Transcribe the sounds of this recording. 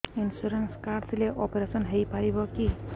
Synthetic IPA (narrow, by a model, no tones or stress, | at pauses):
insuɾenskaɖt̪leʔɔpɾesɔnɦejpaɾibɔki